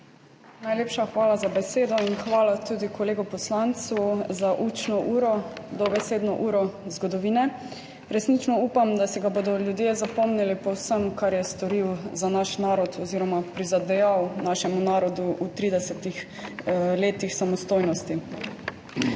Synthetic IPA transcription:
najleːpʃaxʋaːlazabɛseːd̪ɔinxʋaːlat̪uːd̪ikɔleːɡɔpɔslant̪suzaʔut͡ʃnɔʔuːɾɔd̪ɔbɛseːd̪nɔʔuːɾɔzɡɔd̪ɔʋiːnɛ | ɾɛsnit͡ʃnɔuːpamd̪asiɡaboːd̪ɔljud̪jeːzapɔmnɛlipɔwsəmkaɾjɛst̪ɔɾiwzanaʃnaːɾɔt̪ʰɔziːɾɔmapɾizad̪ɛjawnaːʃɛmunaːɾɔd̪uʔut̪ɾiːd̪ɛsɛt̪ix | leːt̪ixsamɔst̪oːjnɔst̪i

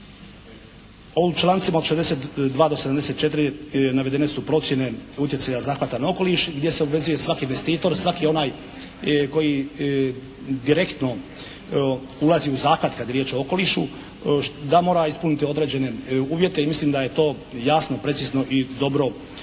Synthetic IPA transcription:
ot͡ʃlˠaːnt̪simaod̪ʃezd̪eset̪d̪ʋaːd̪oseamd̪ese̞t̪t͡ʃe̞t̪̬iɾinaʋe̞d̪e̞ne̞supɾo̞t̪sje̞ne̞ut̪je̞t̪sajazaːxʋat̪anao̞ko̞liʃɡd̪je̞seobʋe̞zuje̞sʋakiinʋe̞st̪iːt̪o̞ɾsʋakio̞naːj | ko̞ji | d̪iɾe̞kt̪no̞ | ulˠaziuzaːkʋat̪kad̪jeɾjeːt͡ʃo̞oko̞liʃu | d̪amo̞ːɾaispunit̪io̞d̪ɾe̞ːd͡ʑe̞ne̞uːʋje̞t̪e̞imislimd̪aje̞t̪o̞ː | jasnopɾetsiːzno̞ʔid̪o̞bɾo̞

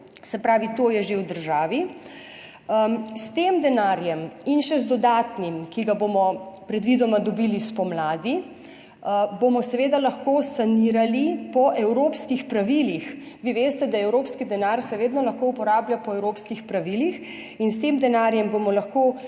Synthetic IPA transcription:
sɛpɾaːʋit̪oːjɛʒewd̪əɾʒaːʋi | st̪eːmd̪ɛnaɾjɛminʃɛzd̪ɔd̪aːt̪nimkiɡabomɔpɾɛd̪ʋid̪ɔmad̪ɔbilispɔmlaːd̪i | bomɔsɛʋeːd̪alɐxkoːsaniːɾalipɔʔɛwɾoːpskixpɾaʋiːlix | ʋiʋeːst̪ɛd̪aɛwɾoːpskid̪ɛnaɾsɛʋeːd̪nɔlɐxkoupɔɾaːblʲjapɔɛwɾoːpskixpɾaʋilix | inst̪emd̪ɛnaːɾjɛmbomɔlɐxkoː

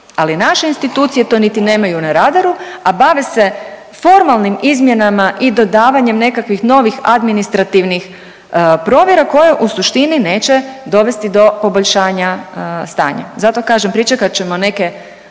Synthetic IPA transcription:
alinaʃe̞inst̪it̪uːt̪sije̞t̪o̞nit̪ine̞ːmajunaɾad̪aɾuabaʋese̞ | fo̞ɾmalˠnimizmje̞namaʔid̪o̞d̪aːʋaɲe̞mne̞kakʋixno̞ʋixa̰d̪minist̪ɾat̪iʋnix | pɾo̞ːʋjeɾako̞jeʔusuʃt̪inine̞ːt͡ɕed̪o̞ʋe̞st̪id̪o̞po̞boʎʃaːɲast̪a̰ːɲa̰zat̪o̞kaːʒempɾit͡ʃekat͡ɕe̞mo̞ne̞ke

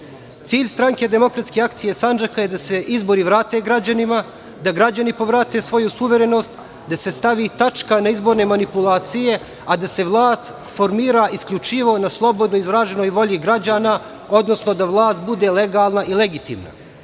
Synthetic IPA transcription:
t̪siːʎst̪ɾaŋke̞d̪e̞mo̞kɾat̪skeakt̪sijesand͡ʒakaje̞d̪ase̞ʔizbo̞ɾiʋɾaːt̪e̞ːɡɾad͡ʑanima | d̪aɡɾad͡ʑanipo̞ʋɾaːt̪e̞sʋo̞jusuʋe̞ɾe̞no̞st̪ | d̪ase̞st̪aʋit̪at͡ʃkanaizbo̞ɾne̞manipulˠaːt̪sije̞ | ad̪ase̞ʋlˠaːst̪ | fo̞ɾmiːɾaʔiskʎut͡ʂiʋo̞naslˠo̞bo̞d̪noizɾaːʒeno̞jʋo̞ʎiɡɾad͡ʑaːna | o̞d̪no̞sno̞d̪aʋlˠaːst̪̚bud̪e̞le̞ɡaːlˠnaʔileɡit̪ḭːmna̰

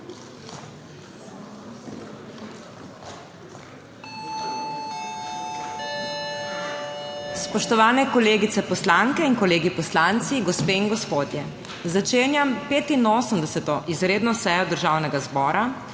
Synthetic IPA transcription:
spɔʃt̪ɔʋaːnɛkɔleːɡit̪ɛpɔslaŋkɛiŋkɔleːɡipɔslant̪siɡɔspeːiŋɡɔspoːd̪jɛ | zat͡ʃeːnjampeːt̪inoːsəmd̪ɛsɛt̪ɔʔizɾeːd̪nɔsɛjɔd̪əɾʒaːwnɛɡazbɔːɾa

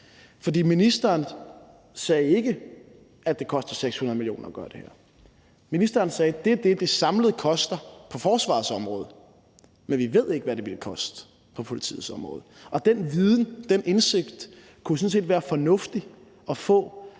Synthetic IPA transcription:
fɒ̽dḭːminisd̥ɐːn | sɛːe̝ɡ̥ə | æd̥e̝kʰɒ̽sd̥ɐseɡ̥shunɐðˠmiljo̝̰ːnɐːɡ̥ɶ̰ːɐd̥e̝hæ̰ɐ̰ | minisd̥ɐːnsɛːd̥e̝æd̥e̝d̥e̝sɑ̈mləð̩ˠkʰɒ̽sd̥ɐpʰɒ̽fɒːsʋɑ̰̈sɒ̽mʁɔ̽ːð̞̩ˠ | menʋiʋe̝ð̰ˠe̝ɡ̥əʋæɾe̝ʋelkʰɒ̽sd̥ | pʰɒ̽pʰo̝lit͡sʰḭːð̩ˠsɒ̽mʁɔ̰̽ːð̩ˠɒ̽d̥enʋiðˠn̩d̥enʔe̝nse̝ɡ̥d̥ | kʰusɔ̽n̩s̬e̝ːdʋæːɐfɒ̽nɔ̽fd̥i | ɒ̽fɔ̰̽ː

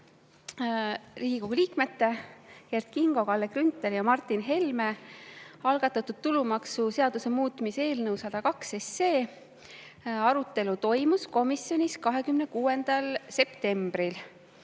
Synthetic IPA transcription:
riːɡiko̞ɡ̥uliːkmet̪ːe̞jert̪kiŋɡ̥o̞kɑlːekrynt̪ˑːeljɑmɑrt̪ːˑinɦe̞lme̞ | ɑlɡ̥ɑt̪ːˑɑt̪ːˑud̪̥̚t̪ːulumɑksuse̞ɑd̪̥use̞muːt̪ˑmise̞ːlnɤwsɑd̪̥ɑkɑkse̞sːe̞ː | ɑɾut̪ːˑe̞lut̪o̞jmusko̞misjo̞nʲiskɑɦe̞kymne̞kuːe̞nd̪̥ɑlse̞pt̪e̞mb̥ɾil

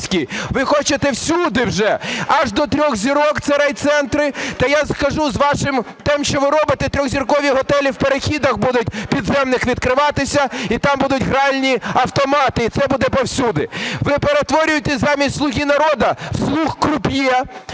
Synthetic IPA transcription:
sʲkʲiʋɪxɔt͡ʃet̪ɛwsʲud̪ɪwʒɛɐʒd̪ɔt̪ɾʲɔxzʲiɾɔkt̪seɾɛjt̪sɛnt̪ɾɪt̪ɐjaskɐʒuzʋɑʃɪm | t̪ɛmʃt͡ʃɔʋɪɾɔbɪt̪ɛt̪ɾʲɔɣzʲirkɔʋʲiɦɔt̪ɛlʲiwpeɾexʲid̪ɐxbud̪ʊtʲpʲid̪zɛmnɪxʋʲid̪̚kɾɪʋɑt̪ɪsʲɐit̪ɑmbud̪ʊtʲɦɾɑlʲnʲiɐwt̪ɔmɑt̪ɪit̪sɛbud̪ɛpɔwsʲud̪ɪʋɪpeɾet̪ʋɔɾʲʊjet̪ɛzɑmʲisʲtʲslˠʊɦʲinɐɾɔd̪ɐslˠuxkrʊpʲjɛ

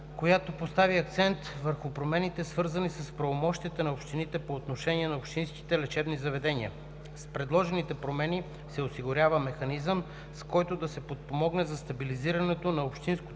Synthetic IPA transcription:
kojat̪opost̪aviɐk̚t̪sɛnt̪vəɾxʊpɾomɛnit̪ɛsvɤɾzɐnisəspɾɐvomɔʃt̪iət̪ənɐopʃt̪init̪ɛpoːt̪noʃɛniɛnɐopʃt̪inski̥t̪ɛlɛt͡ʃɛbnizɐvɛd̪ɛniə̰ | spɾɛd̪lˠɔʒɛnit̪ɛpɾomɛni | sɛosiɡʊɾʲavəmɛxɐnizəm | skɔjt̪od̪ɐsɛpot̪̚pomɔɡnɛzɐst̪ɐbiliziɾɐnɛt̪onɐopʃt̪insko

